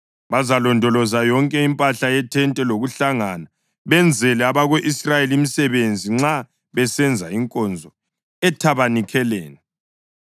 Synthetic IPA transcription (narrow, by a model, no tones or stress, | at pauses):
βazalɔndʱɔlɔzajɔŋkʼɛimpʼaɬajɛtʰɛntʼɛloɣuɬaŋana | βɛnd͡zʱɛlɛaβaɣeʔisrajelimisɛβend͡zʱiŋ͡ǁa | βɛsɛnd͡zʱaiŋkʼɔnd͡zʱɔ | ɛtʰaβanikʰɛlɛːnɛ